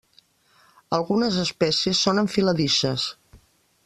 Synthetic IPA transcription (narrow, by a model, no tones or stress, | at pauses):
əlˠɣunəzəspɛsiəsːonəɱfiləðiʃəs